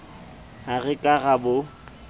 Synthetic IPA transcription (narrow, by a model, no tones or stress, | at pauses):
aɣɪkʼaɣabʊ